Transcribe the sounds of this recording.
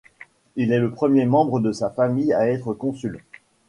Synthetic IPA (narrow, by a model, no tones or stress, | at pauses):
ilɛləpχəmjemɑ̃bʁəd̪əsafamijaɛt̪χəkɔ̃syl